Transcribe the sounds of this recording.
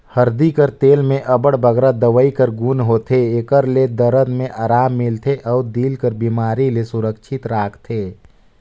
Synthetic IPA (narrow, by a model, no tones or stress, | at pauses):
həɾd̪ikəɾt̪eːlmẽʔəbəɽbʱəɡɾad̪əʋəikəɾɡunɦoːt̪ʰeekəɾled̪əɾəd̪mẽʔaːɾaːmːɪlt̪ʰeʔɔːɾd̪iːlkəɾbiːmaːɾilesʊɾəkʃʰɪt̪ɾaːkʰt̪ʰeː